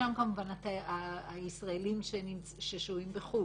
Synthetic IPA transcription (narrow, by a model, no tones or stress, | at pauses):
amkamuvanat̪aaːisʁaelimʃenimt͡sʃeʃuimbeχu